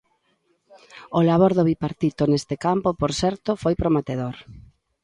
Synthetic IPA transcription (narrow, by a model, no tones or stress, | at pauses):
olaβoɾðʊβipaɾt̪it̪onest̪ekampopoɾsɛɾt̪ofojpɾomet̪eðoɾ